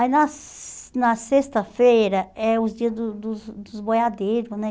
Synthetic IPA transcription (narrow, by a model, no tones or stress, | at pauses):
anɐs | nɐsest̪ɐfejɾɐɛʊzd͡ʒiɐzd̪ʊd̪ʊzd̪ʊzbojad̪ejɾʊsnɛ